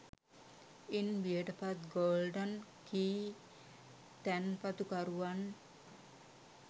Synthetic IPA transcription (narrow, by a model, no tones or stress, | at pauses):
inʋiəʈəpat̪ɡoːlɖənkiː | t̪ɛnpat̪ukaɾuʋan